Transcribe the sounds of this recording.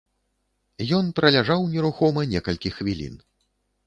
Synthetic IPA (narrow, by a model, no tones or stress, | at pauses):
jɔnpɾɐlʲaʐawnʲɛɾuxɔmɐnʲɛkɐlʲkʲixvʲilʲḭn